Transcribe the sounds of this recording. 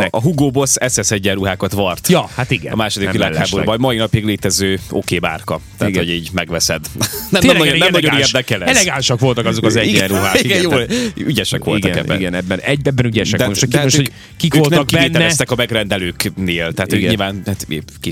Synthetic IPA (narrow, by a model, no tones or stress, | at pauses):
ʔɒɦuɡoːbo̞sɛsɛsɛɟːɛruɦaːkɒt̪ʋɒrt̪jɒhat̪iɡɛ̰ɒ̰maːʃod̪ikʋilaːkhaːboɾbɒmɒinɒpiɡleːt̪ɛzøːo̞keːba̰ːrkɒt̪ɛ̰ːɡ̪hoɟiːɟmɛɡʋɛsɛd̪nɛmɛmnɔonɛmnɒɟoneːrd̪ɛkɛlɛɛlɛɡanʃɒkʋo̞lt̪ɒkɒzokɒzɛɟiːɛɾuɦaːiɡɛjoːlyɟɛʃɛ̰kʋoltiɡ̪ɔkɛ̰bːɛḭɡɛnɛbːɛnɛbɛbːɛnyɟɛʃɛkd̪ot̪hamoʃø | kikːolnɛkːieːnɛːɛst̪ɛkɒmɛɡrɛnd̪ɛløːkneːlt̪ɛɦːt̪ʰøːkɲilvaːnhat̪eːki